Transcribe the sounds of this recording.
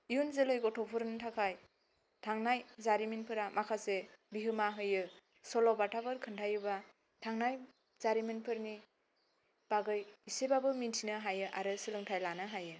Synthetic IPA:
ijunzelɯjɡɔtʰɔpʰɯɾntʰakʰaj | tʰaŋnajzaɾiminpʰɯɾamakʰasebiɦɯmaɦɯjɯ | sɔlɔbatʰapʰɯɾkʰɯntʰajɯba | tʰaŋnaj | zaɾiminpʰɯɾni | b̥aɡɯjisebabɯmintʰinɯɦajɯʔaɾɯsɯlɯŋtʰajlanɯɦajɯ

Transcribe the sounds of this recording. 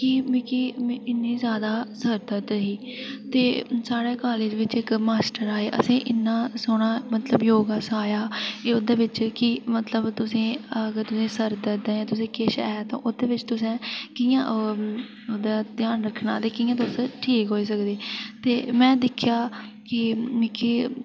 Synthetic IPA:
kim̃ːkiɪnːiːzjaːd̪aːsəɾd̪ət̪ɦiːt̪eːsaːɽeːkaːleːd͡ʒʋɪt͡ʃɪkmaːsʈəɾaːeːʔə̰sĩːʔɪnːãːsoɽ̃aːmət̪ləbjoːɡaːsaːjaːeːod̪aːʋɪt͡ʃkɪmət̪ləbt̪ʊsẽːəɡəɾt̪ʊsẽːsəɾd̪əd̪eːãːt̪ʊsẽːkeʃɛ̰ːt̪ã̰ːʔod̪eːʋɪt͡ʃt̪ʊsẽːkijãːʔ | oːd̪aːd̪jaːnɾəkʰːɳaːt̪eːkiːjãːt̪ʊsʈʰiːkɦoːiːs̬əkd̪eːt̪eːmɛ̃ːd̪ɪkʰjaː | kɪkiː

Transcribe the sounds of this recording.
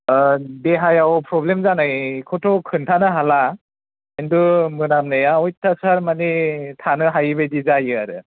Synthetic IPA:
deɦajawpʰɾɔblemzanajkʰɔtʰɔkʰɯntʰanɯɦala | endumɯnamnɯjaɔjtʰasaɾmanitʰanɯɦajɯbejdizajɯaɾɯ

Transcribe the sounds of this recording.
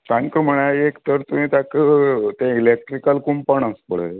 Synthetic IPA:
t̪ãŋkəm̤əɳ̃aekt̪əɾt̪umĩːt̪akət̪ɛ̃ilek̚ʈɾikəlkumpəɳ̃ə̃spəɭ̤ə

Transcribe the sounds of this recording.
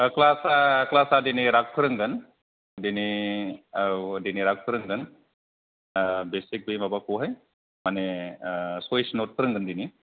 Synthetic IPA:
əklasaklasadiniɾaɡ̚pʰɯɾəŋɡən | dini | diniɾaɡ̚pʰɯɾəŋɡən | besik̚bejmabakoɦaj | mane | sejsnot̚pʰəɾəŋɡənd̪ini

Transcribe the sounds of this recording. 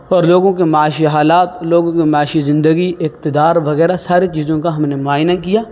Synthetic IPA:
ɔːɾloːɡõkimɐaːʃiɦaːlaːt̪loːɡõkimaːʃizɪ̃nd̪əɡiɪkt̪ɪd̪aːɾʋɐɣɛːɾasaːɾit͡ʃiːzõkaɦɐmnemʊaːjnakijaː

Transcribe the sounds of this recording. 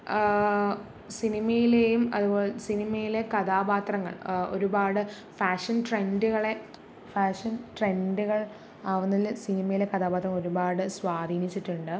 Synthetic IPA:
sinimɐjilejumɐ̰ðubo̞ːlesinimɐjile̞kɐd̪aːbaːt̪rɐŋːɐ̰ɭo̞̰ɾubaːɽɨ | faːʂɐnʈre̞nduɣɐɭe̞ | faːʂɐnʈre̞nduɣɐɭ | aːʋunːilːɨsinimɐjile̞kɐd̪aːbaːt̪rɐŋmo̞ɾubaːɽɨsʋaːd̪ʱiːnit͡ɕːiʈːuɳɖɨ

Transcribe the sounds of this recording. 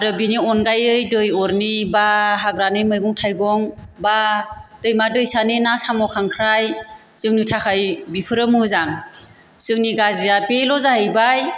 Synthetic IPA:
aɾɯbiniɔnɡajɯjdɯjɔɾnibaɦaɡɾanɯmɯjɡɔŋtʰajɡɔŋbad̥ɯjmadɯjsanenasamɔkʰaŋkʰɾaj | z̥ɯŋnitʰakʰajbipʰɯɾɯmɯzaŋ | sɯŋniɡaziɾapelɔzaɦɯjbaj

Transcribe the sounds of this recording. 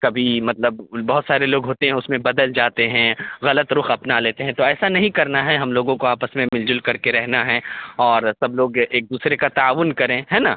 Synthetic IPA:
kɐbʱimɐt̪ləb̚bɐɦʊt̪saːɾeloːɡɦoːt̪eɦɛ̃ʊsmẽbɐd̪əld͡ʒaːt̪eɦɛ̃ɣɐlət̪ɾʊxɐpnaleːt̪eɦɛ̃t̪oɛːsanɐɦĩkɐɾnaɦɛɦɐmloːɡõkoaːpəsmẽmɪld͡ʒʊlkɐɾkeɾɛɦnaɦɛɔːɾsɐbloːɡeːk̚d̪uːsɾekat̪aaːʋʊnkɐɾẽɦɛːnaː

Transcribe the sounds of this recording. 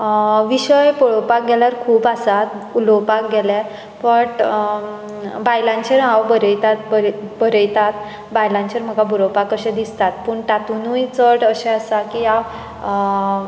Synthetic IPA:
ʋiɕəjpɔɭowpak̚ɡɛljaɾkʰuːpasat̪̚ulowpak̚ɡɛlɛ | fəʈ | bajlãnt͡ɕeɾawbəɾəjt̪at̪̚bɾbəɾəjt̪at̪ | bajlãnt͡ɕeɾm̤əɡabʱɾowpakəɕẽd̪ist̪at̪̚puːɳʈat̪unujt͡səɽəɕẽasakiaw

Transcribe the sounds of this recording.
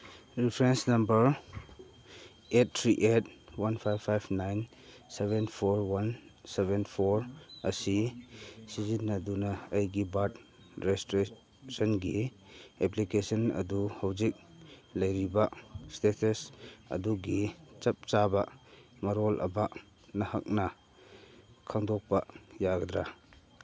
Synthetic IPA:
ɾipʰɾensnɐmbɐɾ | et̚tʰɾiʔet̚wanpʰajbʰajbnajn | seβenpʰoɾwanseβenpʰoɾɐsi | sizinːɐdunɐɐjɡibat | ɾestɾe | sɔnɡi | eplikesɔnɐ̰duhawzik̚lɐjɾibastetʰɐsɐ̰duɡit͡ʃɐp̚t͡ʃabamaɾɔlʔɐ̰ba | nɐhak̚nɐ | kʰaŋdɔk̚pajaɡd̪ɾa

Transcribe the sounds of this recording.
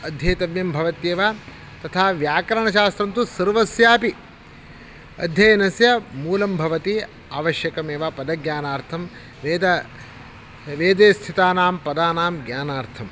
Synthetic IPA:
ɐd̪ʱjɐjt̪ɐbjɐmbʱɐʋɐt̪jeːʋaː | t̪ɐt̪ʰaːʋjaːkɐɾɐɳɐʃaːst̪ɾɐnt̪usɐɾʋɐsjaːpi | ɐ̰d̪ʱjɐjɐnɐsjɐmuːlɐmbʱɐʋɐt̪i | aːʋɐʃjɐkɐmeːʋapɐd̪ɐɡɲaːnaːɾt̪ʰɐm | ʋeːd̪ɐ | ʋeːd̪eːst̪ʰit̪aːnaːmpɐd̪aːnaːmɡjaːnaːɾt̪ʰɐm

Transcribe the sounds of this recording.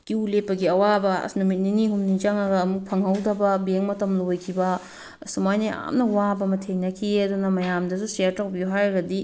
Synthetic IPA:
kiulepːɐɡiɐwabɐɐ̰snumit̚niniɦumnid͡ʒaŋɐɡɐːmuk̚pʰɐŋhɐwdɐbɐbeŋmɐtɐmlojkʰibɐ | sumajnia̰mnɐwabɐmɐtʰejnɐkʰiɐdunɐmɐjamdɐsuseɾtawbijuɦajɾɐɡɐdi

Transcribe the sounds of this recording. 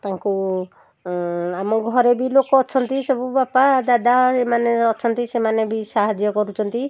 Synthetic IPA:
t̪ãŋku | amɔɡʱɔɾebilokɔːt͡ʃʰɔnt̪isɔbubapad̪ad̪aemaneɔt͡ʃʰɔnt̪isemanebisaɦad͡ʒjɔkɔɾut͡ʃʰɔnt̪i

